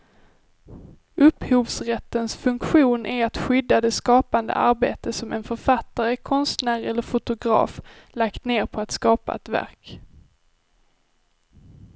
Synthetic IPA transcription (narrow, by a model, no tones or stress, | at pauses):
ʔɵphuːvsɾɛt̪ːənsfɵŋkɧuːnʔæɾat̪ɧʏd̪ːad̪ɛskɑːpand̪ə̰ʔa̰ɾbḛːt̪əsɔmɛ̰nfœɾfat̪ːaɾəkʰɔnst̪næːɾɛlːəɾfʊt̪ʊɡɾɑ̰ːf | lakt̪neːɾpʰɔat̪skɑːpa̰ɛ̰t̪væ̰ɾk